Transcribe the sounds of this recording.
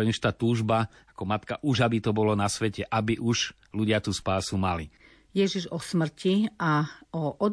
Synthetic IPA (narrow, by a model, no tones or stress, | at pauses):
ɛɲɛʃt̪aːt̪uːʒba | akɔmat̪kaʔuʒabit̪ɔbɔlɔnasʋɛcɛʔabiʔuʒ | luɟɪat̪uspaːsumali | jɛʒiʒɔsmr̩ciaɔʔɔd̪